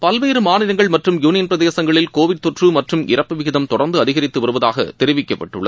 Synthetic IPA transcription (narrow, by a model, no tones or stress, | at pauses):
pɐlʋeːɾɯmaːnɪɾɐŋɡɐɭmɐʈrɯmjuːnɪjɐnpɪɾɐðeːsɐŋɡɐɭɪlkoːʋɪɖ̚t̪ɔʈrɯmɐʈrɯmɪ̰rɐpːɯʋɪɣɪðɐmt̪ɔɽɐɾnd̪ɯɐðɪɣɐɾɪt̪ːɯʋɐɾɯʋɐðaːɣɐ̰t̪ɛɾɪʋɪkːɐpːɐʈːɯɭːɐð